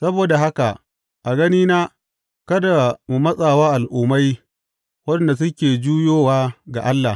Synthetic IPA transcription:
sɐ˦boː˨da˨ɦa˦ka˨ʔ | ʔa˨ɡɐ˦niː˦naː˦ | kɐ˦da˨mu˨mɐ˦sʼaː˨waː˦ʔa˨lʔuː˨ma˦j | wɐ˦ɛ˦nda˨s̬ʊ˦kʲeː˨d͡ʒuː˦joː˦waː˦ɡa̰˨ʔa˦lːaː˨

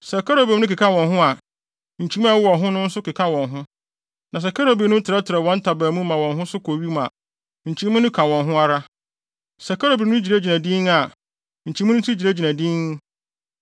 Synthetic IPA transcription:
sɛ˨kʰa˦ɾo˨be˨˦nʊ̃˦ki˨kʰã˦wɔ̃˨nɦʊ̃˦a˨ | ɲ̩˨t͡ɕʰi˦a˦wɔ˨ɦʊ̃˦nʊ̃˦n̩˦sʊ˦kɪ˨kʰã˦wɔ̃˨nɦʊ̃˦ | nã˨s̬ɛ˨kʰa˦ɾo˨bi˨nʊ̃˦tʰɪ˨ɾɛ˦tʰɪ˨ɾɛ˨wɔ̃˨˦n̩˦tʰa˨bæː˨mũ˦mã˨wɔ̃˨nɦʊ̃˦sʊ˦kʰo˨ɥi˦ma̰˨ | ɲ̩˨t͡ɕʰĩ˨˦mũ˦nʊ̃˦kʰã˨wɔ̃˨nɦʊ̃˦a˦ɾa˦ | sɛ˨kʰa˦ɾo˨bi˨nʊ̃˦d͡ʑi˨ɾe˦d͡ʑi˨nã˨dĩ˦na˨ | ɲ̩˨t͡ɕʰĩ˨˦ʊ̃˦tʰi˦d͡ʑi˨ɾe˦d͡ʑi˨nã˨dĩ˦ŋ˦

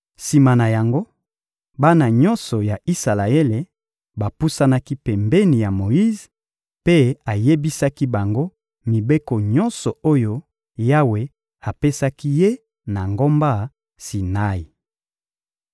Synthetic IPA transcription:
si˨ma˨na˨ja˨ŋɡo˦ | ba˦na˨ɲɔ˦nsɔ˨ja˨i˦sa˨la˨e˦le˨ | ba˨pu˦sa˦na˦ki˦pɛ˨mbe˦ni˨ja˨mo˨i˦z | pe˦a˨je˦bi˦sa˦ki˦ba˨ŋɡo˦ | mi˨be˦ko˨ɲɔ˦nsɔ˨o˦jo˦ | ja˦we˨ | a˨pe˦sa˦ki˦je˦ | na˨ŋɡo˦mba˦˨ | si˨na˦i˨

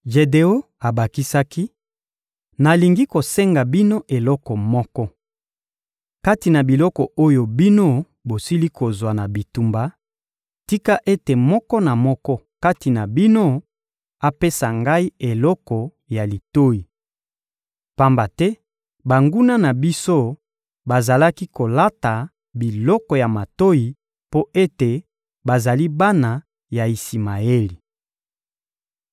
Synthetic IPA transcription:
ʒe˨de˨o˦ | a˨ba˨ki˦sa˦ki˦ | na˨li˨ŋɡi˦ko˨se˦ŋɡa˨bi˦no˦ʔe˨lɔ˦kɔ˨mɔ˦kɔ˦ | ka˦ti˨na˨bi˨lɔ˦kɔ˨o˦jo˨bi˦no˦ | bo˨si˦li˦ko˨zwa˨na˨bi˨tu˨mba˨ | ti˦ka˦ʔe˦te˨mɔ˦kɔ˦na˨mɔ˦kɔ˦ | ka˦ti˨na˨bi˦no˦ | a˨pe˦sa˨ŋɡa˦i˦e˨lɔ˦kɔ˨ | ja˨li˨to˦ji˨ | pa˦mba˨tɛ˦ | ba˨ŋɡu˦na˦na˨bi˦so˦ | ba˨za˨la˦ki˦ko˨la˦ta˨ | bi˨lɔ˦kɔ˨ja˨ma˨to˦ji˨ | po˦ʔe˦te˨ | ba˨za˨li˦ba˦na˨ | ja˨i˨si˨ma˨e˦li˨

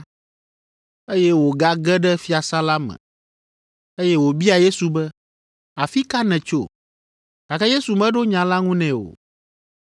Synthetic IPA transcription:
e˦jɛ˦wo˨ɡa˦ɡɛ˦ɖɛ˦fi˦a˨sa˦la˦mɛ̰̃˨ | e˦jɛ˦wo˨bi˦a˨je˦su˨bɛ˦ | a˨fi˦ka˦nɛ̃˨t͡ʃo˦ | ta˨kɛ˦je˦su˨mɛ̃˦ɖo˦ɲã˨la˦ŋũ˦nɛ̃˨o̰˨

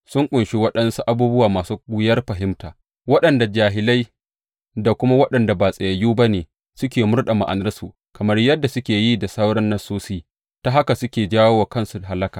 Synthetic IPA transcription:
sʊ˦ŋkʷʼʊ˨nʃi˦wɐ˦ɗɐ˦nsu˦ʔa˦buː˦bʊ˦waː˨maː˨suː˦ɡʷʊ˦jɐ˦rɸɐ˨ɦɪ˦mtaː˨ | wɐ˦ɗɐ˨nda˨d͡ʒaː˨ɦɪ˨la˦j | da˨kʷʊ˦ma˦wɐ˦ɗɐ˨nda˨baː˨sʼɐ˨jɐ˨jːuː˦ba˦neː˨ | sʊ˦kʲeː˨mʊ˦rɗa˨ma˨ʔa˨nɐ˦ɾɐ˦su˨ | kɐ˨mɐ˦rjɐ˦dːa˨sʊ˦kʲeː˨ji˦da˨sɐ˦wɽɐ˦nːɐ˦soː˦si˦ | ta˦ɦa˦ka˨sʊ˦kʲeː˨d͡ʒaː˦woː˦waː˨kɐ˦nsu˨ɦa˨lɐ˦kaː˨

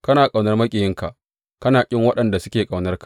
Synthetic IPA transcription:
kɐ˦naː˨kʼa˨wnɐ˦rmɐ˦kʲʼɪ˨jɪ˦ŋka˨ʔ | kɐ˦naː˨kʲʼɪ˦ŋwɐ˦ɗɐ˨nda˨sʊ̥˦kʲeː˨kʼa˨wnɐ˦rkḁ˨

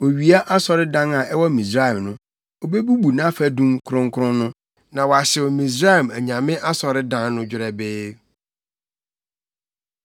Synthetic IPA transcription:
wo˨ɥi˨a˦ʔa˦sɔ˨ɾɪ˦dã˦na˨ʔɛ˦wɔ˦mĩ˨sɾa˦˨ɛ˨mnʊ̃˦ | o˨be˦bu˦bu˨nã˦fæ˨dũ˦mkʰʊ˨ɾʊ̃˦ŋ˦kʰʊ˦ɾʊ̃˦nʊ̃˦ | nã˨wɔ˨a˨ɕɪ˨wʊ˨mĩ˨s̬ɾa˦˨mæ˨ɲã˨mɪ̃˦ʔa˦sɔ˨ɾɪ˦dã˦nnʊ̃˦d͡ʑᶣɪ˨ɾɛ˨bɪː˦

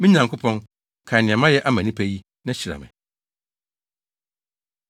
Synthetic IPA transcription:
mĩ˦ɲã˨ŋkʰʊ˦pʰɔ̃˦n | kʰa˨nɪ̃˨ɛ̃˨mã˦jɛ˦ʔa˦mã˨nĩ˦pʰæ˦ji˦ | nã˦ɕi˨ɾa̰˨mɪ̰̃˨

